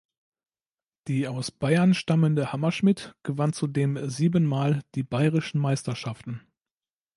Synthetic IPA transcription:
d̥iːaʊsb̥aɪɐnʃtaməndəhamɐʃmɪtɡ̥əvant͡sudeːmziːbənmaːld̥iːbaɪʁɪʃn̩maɪstɐʃaftn̩

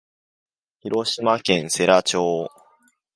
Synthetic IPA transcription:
çiɾo̞ɕimakẽ̞ɰ̃se̞ɾat͡ɕoː

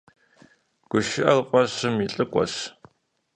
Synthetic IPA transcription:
ɡ̥ʷʊʃɪʔɐlqʷʼɔɕɨmiɬʼɨkʷʼɔ̰ɕ

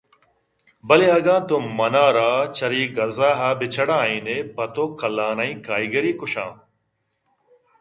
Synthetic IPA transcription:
bɐleɦɐɡãːt̪oːmɐnaːɾaːt͡ʃʰɐɾiːɡɐzaːɦaːbɪt͡ʃʰɐɽãːĩːneːpɐt̪oːkɐlãːnaːĩːkaːiɡɐɾiːkʊɕã̰ː

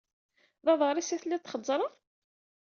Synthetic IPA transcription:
ðɑðˤʁəɾˤisæθlːit̪ːχəd̪ˤzːˤɾˤəðˤ

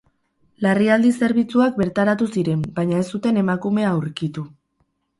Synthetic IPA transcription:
lariald̪ise̞ɾβ̞it͡suak̚be̞ɾt̪aɾat̪usiɾe̞mbajɲae̞st̪ut̪e̞ne̞makume̞auɾkit̪u

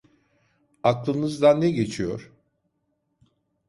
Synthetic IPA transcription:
aklˠɯnɯzd̪anːɛɟe̞t͡ʃʰijo̰ɾ̥

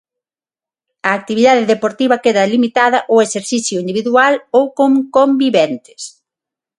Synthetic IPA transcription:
ɐːk̚t̪iβiðaðeðepoɾt̪iβɐkeðɐlimit̪aðɐʔoeseɾθiθjʊind̪iβiðualowkoŋkombiβɛnt̪ɪ̥s

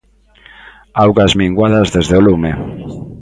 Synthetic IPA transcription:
awɣazmiŋɡwaðazðezðeolume

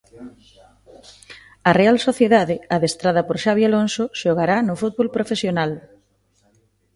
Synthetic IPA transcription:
ɐrealsoθjeðaðɪaðest̪ɾaðɐpoɾʃaβjalonsoʃoɣaɾanʊfut̪̚βolpɾofesjonal

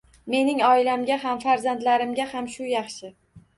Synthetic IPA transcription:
me̞nɪŋɒɪlamɡʲaɦamfaɾzand̪laɾɪmɡʲahamʃʊjɑχʃɪ

